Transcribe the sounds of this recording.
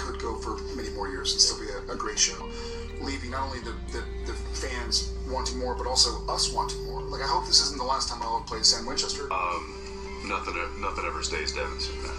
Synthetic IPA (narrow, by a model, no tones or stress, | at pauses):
kʰɨd̚ɡoʊfə˞ | mɛñimɔɹjɪɹzɨ̃nstɪlˠbiɨɨɡɹeɪtʃoʊ | livɪ̃ŋnəɾõʊ̃nliðɨðɨ | ðɨ | fæ̃nz̥wɑ̃ntɪ̃ŋmɔɹbʌɾɔlˠsoʊʔʌswɑ̃ntɪ̃ŋmɔɹlaɪkaɪɦoʊp̚ðɪsɪzn̩ðəlæstʰãɪ̃maɪloʊpʰl̥eɪɾɨsæ̃nwɪ̃nt͡ʃɛstə˞ʌ̃m | nʌθɪ̃ŋɛnʌθɪ̃ŋɛvə˞steɪzdɛ̰̃nz̥̰